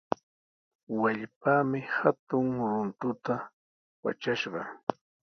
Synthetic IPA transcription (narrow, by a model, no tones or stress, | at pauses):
waʎpaːmɪhat̪ʊŋɾʊnt̪ʊt̪a | wa̰t͡ʃaʃɢɑ̰